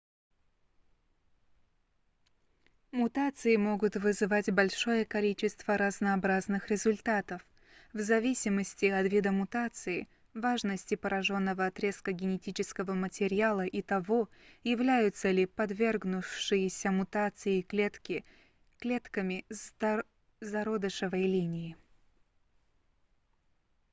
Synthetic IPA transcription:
mʊt̪at̪sɨjɪmo̞ɡʊt̪vɨzɨvatʲbɐlʲʂo̞jəkɐlʲit͡ɕɪst̪vəɾəznɐːbɾaznɨxɾʲɪzʊlʲt̪at̪əf | vzɐvʲisʲɪməsʲtʲɪɐt̪vʲid̪əmʊt̪at̪sɨɪ | vaʐnəsʲtʲɪpəɾɐʐo̞nːəvəɐt̪ɾʲe̞skəɡʲɪnʲɪtʲit͡ɕɪskəvəmətʲɪɾʲɪalˠəʔit̪ɐvojɪvlʲæjʊt̪səlʲɪpɐd̪vʲe̞rɡnʊʂɨjɪsʲəmʊt̪at̪sɨjɪkʲt̪kʲɪ | klʲet̪kəmʲɪ | zɐɾod̪ɨʂɨvəjlʲinʲɪjɪ

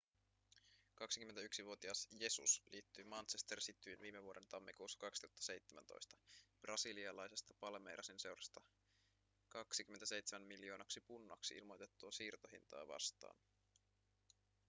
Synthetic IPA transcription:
kɑksi̥kyment̪æyksiʋuot̪iɑsje̞sṵslʔiːt̪ːyjmɑnsest̪ersit̪ːyjinʋiːmeʋuoɾe̞nt̪ɑmːikuːsːɑ̥kɑksi̥t̪uhɑt̪ːɑ̥se̞jt̪ːemænt̪o̞̰jst̪ɑ̥b̥rʔɑsiliɑlɑjse̞st̪ɑ̥pɑlmejɾʔɑsinse̞wɾɑst̪ɑ | kɑksik̟yment̪æse̞jt̪semæmːiljo̞ːnɑksipunːɑksiḭlmo̞jt̪e̞t̪ːuɑsiːrt̪o̞ɦḭnt̪ɑ̰ːʋɑ̰st̪ɑ̰ːn

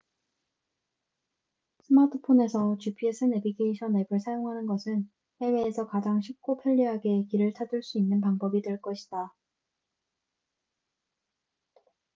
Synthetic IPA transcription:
sʰɯmatʰɯ̥pʰone̞sʰʌt͡ɕupʰiesʰɯnebikʰeiɕʰʌne̞bɯɭsʰajoŋɦanɯnɡʌsʰɯn | he̞we̞ːsʰʌkad͡ʑaŋɕʰik̚k͈opʰjʌʎːiɦaɡe̞kiɾɯɭt͡ɕʰaduɭs͈uinːɯnpaŋbʌbidwe̞ɭk͈ʌɕʰi̥d̥a

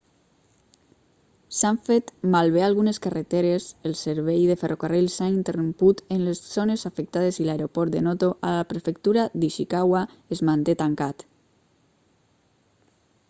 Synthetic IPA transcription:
saɱfet̪malβealɣuneskaret̪eɾeselseɾβejðeferʔokarilsaint̪erumput̪enleszonezafek̚t̪að̞ezilaeɾopɔɾt̪d̪enot̪oʔalapɾefek̚t̪uɾad̪iʃikawa | ezmant̪et̪aŋkat̪

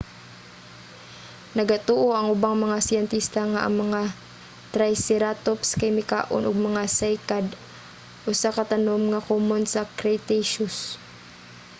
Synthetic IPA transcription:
nɐɡat̪uːʔoʔɐŋʔʊbaŋmɐŋasɪjɛnt̪ist̪aŋaʔɐŋmɐŋa | t̪ɾajsɛɾat̪opskɛjmɪka̰ːʔo̰nʔʊɡ̚mɐŋasɛjkad̪ | ʔʊsakɐt̪ɐnomŋɐkomonsɐkɾajt̪ɛjʃos

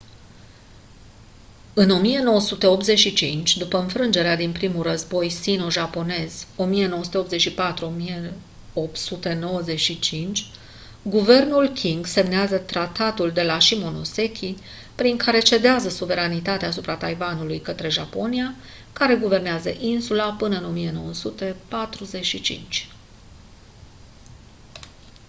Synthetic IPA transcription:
ɨno̞mije̞no̞wəsut̪e̞o̞pt̪ze̞t͡ʃʃit͡ʃint͡ʃʲd̪upəɨnfɾɨnd͡ʒe̞ɾead̪inpɾimulrəzbo̞jsinoʒapo̞ne̞z̥o̞mije̞no̞wəsut̪eo̞pt̪ze̞t͡ʃʃipat̪ɾuo̞mije | o̞p̪sut̪e̞no̞wəze̞ʃit͡ʃint͡ʃʲ | ɡuve̞rnulkʲʰiŋɡse̞mneazət̪ɾat̪at̪uld̪e̞laʃimonose̞kʲʰi | pɾiŋkʰaɾe̞t͡ʃe̞d̪eazəsuve̞ɾanit̪at̪eaːs̬upɾat̪ajvanulujkət̪ɾe̞ʒapo̞nia | kaɾe̞ɡuve̞rneazə̰ʔinsulapɨnəɨno̞mije̞no̞wəsut̪e̞pat̪ɾuze̞ʃit͡ʃḭnt͡ʃʲ

